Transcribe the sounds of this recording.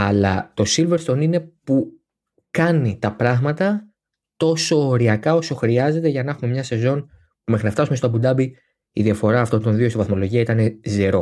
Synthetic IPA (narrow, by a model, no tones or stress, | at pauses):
ɐlɐt̪o̞silveɾst̪o̞nine̞pu | kɐnit̪ɐpɾɐɣmɐt̪ɐ | t̪o̞so̞ːɾiɐkɐo̞so̞xɾiɐze̞t̪e̞ʝɐnɐxume̞mɲɐse̞zo̞n | mexɾinɐft̪ɐsumest̪oɐbud̪ɐbi | iðiɐfo̞ɾɐːft̪o̞nd̪o̞nðiost̪ivɐθmo̞lo̞ʝiɐit̪ɐne̞zeɾo̞